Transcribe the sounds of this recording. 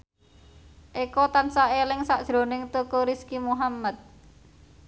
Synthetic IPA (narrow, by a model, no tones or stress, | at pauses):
ʔikɔt̪ansaelɪŋsaʔd̥ʒ̥ɾo̤nɪŋt̪okoɾiskimuɦamːat̪̚